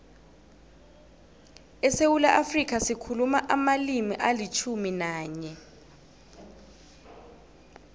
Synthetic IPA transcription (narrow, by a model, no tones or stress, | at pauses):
ɛsewulaʔafrik̬ʰasikʰulumaʔamalimiʔalit͡ʃʰuminaːɲɛ